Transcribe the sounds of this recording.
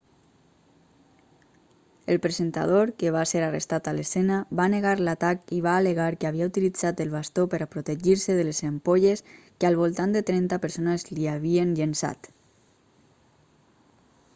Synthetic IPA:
elpɾezent̪a̰ð̞oɾkeβaseɾarḛst̪at̪alesenaβaneɣaɾlat̪akiβaːleɣaɾkeaβiaut̪ilid͡zat̪elˠβast̪opəɾapɾot̪eʒiɾseðelezempoʎes | kəalˠβ̞olˠt̪and̪et̪ɾɛnt̪apəɾsonəzliaβienʎənsa̰t̪

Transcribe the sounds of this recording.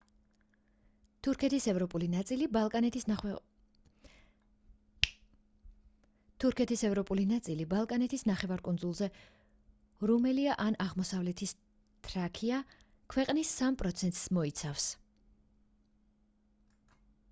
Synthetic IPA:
t̪ʰuɾkʰɛt̪ʰisɛvɾɔpʼulinat̪sʼilibalˠkʼaɛ | t̪ʰuɾkʰɛt̪ʰisɛvɾɔpʼulinat̪sʼilibalˠkʼanɛt̪ʰisnaχɛvaɾkʼund̪zulˠzɛ | ɾumɛliaʔanaʁmɔsavlɛt̪ʰis | t̪ʰʼɾakʰia | kʰwɛqʼnisːampʼɾɔt̪sʰɛnt̪ʼsmɔit̪sʰafs

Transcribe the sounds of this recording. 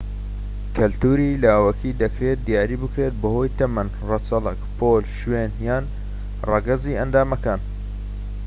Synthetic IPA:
kʰɐlt̪uːɾilawɐkʰid̪ɐkɾet̪̚d̪ijaːɾiːbɨkɾet̪̚bɐho̞jt̪ɐmɐn | rɐt͡sɐlɐkpʰoːlʃwenjaːn | rɑɡɐziːʔɐnd̪aːmɐkaːn

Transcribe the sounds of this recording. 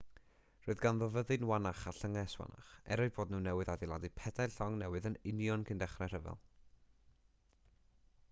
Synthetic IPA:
roːɨðɡanðəvəðɨnwanaχaɬəŋɛswa̰na̰χɛ̰ɾɔɨðb̥oːdnuːnːɛwɨðadilˠadipʰɛdajlɬɔŋnɛwɨðənɪnjɔnkʰɪndɛχrɛr̥əvɛ̰lˠ

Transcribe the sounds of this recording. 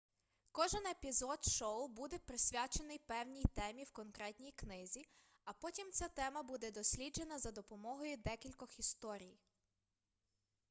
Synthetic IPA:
kɔʒenepʲizɔd̪ʃɔwbud̪ɛpɾɪsʲʋʲat͡ʃenɪjpɛwnʲijt̪ɛmʲiwkɔnkɾɛt̪ʲnʲijknɪzʲi | ɐpɔtʲimt͡sʲat̪ɛmɐbud̪ɛd̪ɔsʲlʲid͡ʒe̞nɐzɐd̪ɔpɔmɔɦɔjʊd̪ɛkʲilʲkɔxist̪ɔɾʲij

